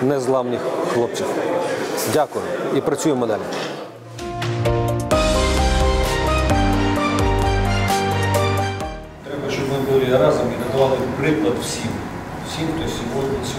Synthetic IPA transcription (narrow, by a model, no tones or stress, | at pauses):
nɛzlˠɑwnʲɪxxlˠɔp̚t͡sʲiw | dʲakʊjʊipɾɐt͡sʲujemɔd̪ɑlʲi | t̪ɾɛbɐʃt͡ʃɔbmɪd̪ɔɾʲiɐɾɑzɐmiɦ̪ɐt̪ʊʋɑlˠɪpɾɪklˠɐt̪wsʲim | wsʲimt̪ɔsʲɔɦɔdʲnʲisʲ